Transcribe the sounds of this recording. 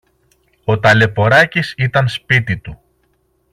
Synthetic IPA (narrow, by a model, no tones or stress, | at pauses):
o̞t̪ɐle̞po̞ɾɐcisit̪ɐnspit̪it̪u